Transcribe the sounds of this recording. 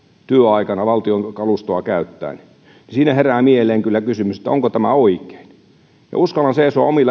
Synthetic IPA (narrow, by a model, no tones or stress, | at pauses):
t̪yøɑikɑnɑʋɑlt̪ioŋkɑlust̪oɑkæyt̪ːæ̰ːni | nisiːnæheræːmieelˑeːŋkylːækysymyse̥t̪ːæoŋkot̪æmæoike̥in | jɑ̰uskɑlːˑɑnseisoɑ̰omilːɑ